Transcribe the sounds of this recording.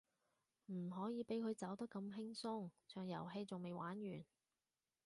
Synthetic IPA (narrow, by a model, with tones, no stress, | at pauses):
m̩˨˩ɦɔː˨˥jiː˨˧pe˨˥jkʰɵ˨˧ɥt͡sɐ˨˥wt̪ɐ˥kːɐ˧mɦɪ˥ŋsʊ˥ŋt͡ʃʰœː˨ŋjɐ̰˨˩wɦe˧jt͡sʊ˨ŋme˨jwaː˨˥njyː˨˩n